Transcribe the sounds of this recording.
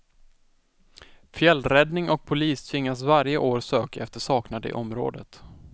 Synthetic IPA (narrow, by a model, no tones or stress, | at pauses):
fjɛlːɾɛd̪nɪŋɔk̚pʰʊliːst̪ʰvɪŋːasvaɾjəʔoːɾsøːkaɛft̪əʂɑːknad̪ə̰ʔɔmɾo̰ːd̪ət̪